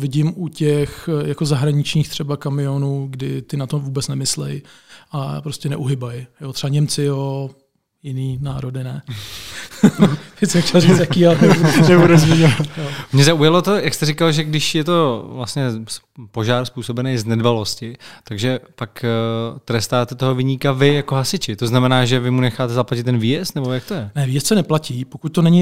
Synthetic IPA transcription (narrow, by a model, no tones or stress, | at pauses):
vɪɟɪmʔucɛxjakozaɦɾaɲɪt͡ʃɲiːxt̪r̥ɛbakamɪjonuːɡdɪ̰t̪ɪnat̪ovuːbɛt͡snɛmɪslɛ̰jʔapɾo̞scɛnɛʔuɦɪbajjot̪r̥ɛbaɲɛmt͡sɪjo | jɪniːnaːɾo̞dɪnɛ | vɪsɛmxcʲɛlzit͡sjakiːalɛbunɛbuduzvɛɲɛvat̪jomɲɛzaujalo̞t̪o̞jakst̪ɛɾɪkalʒɛɡdɪʃjɛt̪o̞vlasɲɛ | po̞ʒaːɾspuːso̞bɛnejznɛdbalo̞scɪt̪aɡʒɛpakt̪ɾɛst̪aːt̪ɛt̪o̞ɦo̞vɪɲikavɪjako̞ɦasɪt͡ʃɪt̪o̞znamɛnaːʒɛvɪmunɛxaːt̪ɛzaplacɪt̪ːɛnviːjɛst̪nɛbo̞jak̚t̪ojɛnɛviːjɛst̪sɛnɛplaciːpokuc̚t̪onɛɲɪ